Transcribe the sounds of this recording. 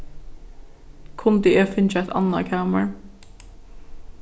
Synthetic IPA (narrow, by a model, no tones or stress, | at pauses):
kʰʊnd̪ɪɛːfɪnt͡ʃaɛt̪ʰɑ̰na̰kʰæːməɹ